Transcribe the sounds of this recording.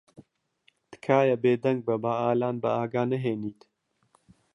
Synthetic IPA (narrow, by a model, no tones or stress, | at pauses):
t̪ɨ̥kʰaːjɐbeːd̪ɐŋɡ̚bɐbaaːlaːnbɐaːɡaːnɐɦeːniːt̪